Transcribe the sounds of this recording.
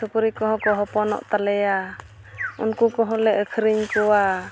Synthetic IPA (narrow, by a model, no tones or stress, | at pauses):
sukuɾikɔɦɔ̃kɔɦɔpɔnɔ̰ʔt̪alɛja | unkukɔɦɔ̃lɛʔəkʰɾiɲkɔwa